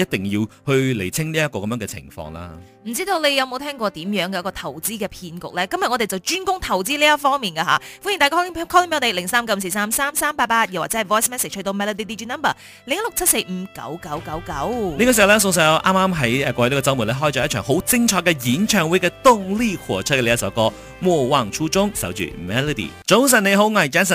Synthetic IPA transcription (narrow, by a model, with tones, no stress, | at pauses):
jɐ˥t̚t̪ɪ˨˩ŋjiː˧whɵ˧ɥle˨˩jt͡sʰɪ˥ŋliː˥jɐ˥t̚kɔː˧kɐ˨mjœː˧˥ŋɡɛ˧t͡sʰɪ̰˨˩ŋfɔ̰ː˧ŋla̰ː˧ | m̩˨˩t͡siː˥t̪o˧wle˨˧jɐ˧wmo˧wt̪ʰɛː˥ŋkʷɔː˧t̪iː˨˥mjœː˨˧˥ŋkɛː˧jɐ˥kɔː˧t̪ʰɐ˨˩wt͡siː˥kɛː˧pʰiː˧nkʊ̰˨k̚lɛː˥kɐ˥mjɐ˨ŋɔː˧te˨jt͡sɐ˨wt͡ʃyː˥nkʊ˥ŋt̪ʰɐ˨˩wt͡siː˥liː˥jɐ˥fɔː˥ŋmiː˨nkaː˧ɦa̰ː˨˧˦fu˥nji˨˩t̪aː˨˩kaː˥kʰɔ˥lmpe˧˥t̪e˨˩lɪ˨˩ŋsaː˥mkɐ˧m̩˨˧se˧saː˥msaː˥msaː˥mpaː˧t̚paː˧t̪̚jɐ˨˩wa̰ː˨˩t͡sɛ˧˥ɐ˨˩jwɔː˥jsmɛː˥se˨t͡ʃhɵ˧t̪o˧wmɛː˧lɔ˧d̪i˧d̪i˧t͡ʃiː˥nɐ˥mbɐ˨˩ | lɪ˨˥ŋɐ˥lʊ˨k̚t͡sʰɐ˥t̚se˧jm̩˨˧˥kɐ̰˨˥wkɐ˨˥wkɐ˨˥wkɐ˨˥wniː˥kaː˧si˨˩˨wlɛ˥s̬ʊ˧ŋs̬ɐː˨˧jʔa̰ː˥maː˥mɦɐ˨˥jɛ˨˩kɔː˧t̪ːkɔ˧t͡sɐ˥wmuː˨˩lɛː˥ɦɔː˥jt͡sɔː˨˧jt͡ʃʰœː˨˩ŋho˨˥wt͡sɪ˥ŋt͡ʃʰɔː˧kːɛ˧jiː˨˥nt͡ʃʰœː˧ŋwu˨˥jkɛː˧t̪ʊ˥ŋliː˥kʰɔ̰ː˨˩t͡ʃʰt̚kɛ˧le˧jɐ˥sɐ˨˧˥kɔː˧ | mɔː˨˧waː˧ŋt͡ʃʰuː˥t͡sʊ˥ŋsɐ˨˥wt͡ʃy̰ː˨˩mɛː˧lɔ˧d̪ḭː˨˩t͡ʃʊ˨˥ŋs̬ɐ˨ne˨˧jɦo˨˥wŋɐ˨˩jt͡ʃaː˨˥nsɐ˨˩